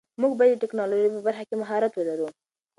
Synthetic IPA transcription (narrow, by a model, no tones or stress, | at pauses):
muɡbɑjad̪ːəʈɪknɑloʒijpəbaɾxakemaɦɑɾat̪wəlaɾu